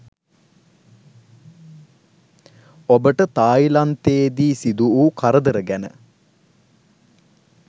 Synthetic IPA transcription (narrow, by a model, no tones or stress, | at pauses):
obəʈət̪aːilant̪eːd̪iːsid̪uukaɾəd̪əɾəɡænə̰